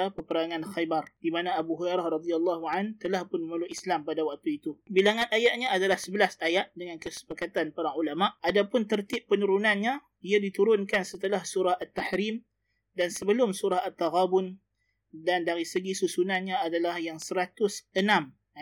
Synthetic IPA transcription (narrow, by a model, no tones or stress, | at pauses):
apəpəɾaŋanxajbardimanaːbuɦuɾaɾahrɑd̪ialːɑɦuʕant̪əlahpʊnməməluʔislampadawak̚t̪uit̪ubilaŋanajaʔ̪̚ɲaːdalahsəbəlasajaʔdəŋankəsə̥pakat̪anpaɾaŋulamaʔadapʊnt̪ərt̪ɪpːənuɾunanɲa | iadit̪uɾʊnkansət̪əlahsuɾahʔat̪ːaħɾim | dansəbəlʊmsuɾahat̪ːaɣabʊn | dandaɾisəɡisusunanɲaːdalahjaŋsəɾat̪ʊsənãm